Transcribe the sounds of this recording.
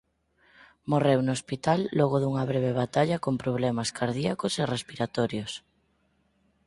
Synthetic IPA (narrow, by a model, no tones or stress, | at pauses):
morewnospit̪alːɔɣ̞oðuŋaβ̞ɾeβ̞eβ̞at̪aʎakompɾoβ̞lɛmaskaɾð̞iakoserespiɾat̪ɔɾjos